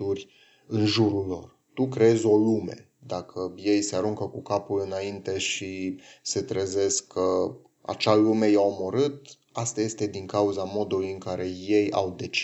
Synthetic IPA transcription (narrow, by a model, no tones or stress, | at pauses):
urʲ | ɨnʒuɾulːo̞̰r | t̪ukɾeezo̞lume̞̰ | d̪akʰəje̞jseaɾuŋkəkukapulɨnaint̪e̞ʃise̞t̪ɾeze̞skʰːə | a̰t͡ʃalume̞jaomoɾɨt̪̚ | ast̪aje̞st̪e̞d̪iŋkauzamo̞d̪ulujɨŋkaɾe̞je̞ja̰wd̪e̞t͡ʃ